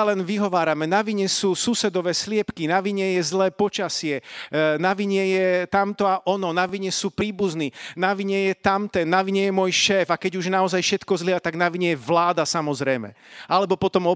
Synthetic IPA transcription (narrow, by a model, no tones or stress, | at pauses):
alɛnʋiɦɔʋaːɾamɛnaʋiɲɛsuːsusɛd̪ɔʋɛːslɪɛpkinaʋiɲɛjɛzlɛːpɔt͡ʃasɪɛnaʋiɲɛjɛt̪amt̪ɔaʔɔnɔnaʋiɲɛsuːpɾiːbuzniːnaʋiɲɛjɛt̪amt̪ɛnːaʋiɲɛjɛmʊɔjʃɛːvakɛɟuʒnaɔzajfʃɛt̪kɔzlɪat̪aɡnaʋiɲɛjɛʋlaːd̪asamɔzɾɛjmɛ̰alɛbɔpɔt̪ɔmɔ